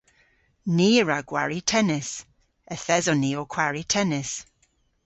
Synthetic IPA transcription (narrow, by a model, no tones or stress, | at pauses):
niːəɹaɡwa̰ɹitʰɛnɪs | əθɛzɔniːɔkʰw̥aɹitʰɛnɪs